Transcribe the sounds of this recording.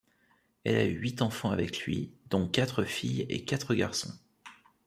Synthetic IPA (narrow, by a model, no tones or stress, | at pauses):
ɛlayɥit̪ɑ̃fɑ̃avɛklɥid̪ɔ̃kat̪χəfijḛkat̪χəɡʲaʁsɔ̃